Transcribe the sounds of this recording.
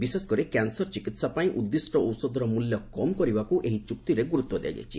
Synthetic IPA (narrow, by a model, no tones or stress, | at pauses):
biseskɔɾikansɔɾt͡ʃikit̪sapaĩʔud̪ːisʈɔowsɔd̪ɔɾɔmuljɔkɔmkɔɾibakuʔeɦit͡ʃuk̚t̪iɾeɡuɾut̪wɔd̪eja̰jd͡ʒa̰jt͡ʃʰḭ